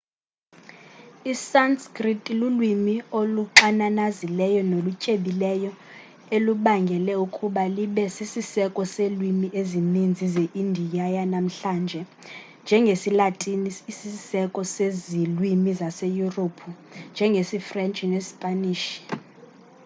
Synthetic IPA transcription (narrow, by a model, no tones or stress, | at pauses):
isanskʼritʼilulwimioluǁananazilɛjɔnolucʼeɓilɛjɔ | eluɓaŋɡʱɛlɛukʼuɓaliɓɛsisisɛkʼɔselwimiʔezinind͡zʱizeʔindʱijajanam̩ɬaːnd͡ʒʱɛ | nd͡ʒʱɛŋɡʱesilatʼiniisisɛkʼɔsezilwimizasejuropʰu | nd͡ʒʱɛŋɡʱesifrɛnt͡ʃʼinespʼaniːʃi̥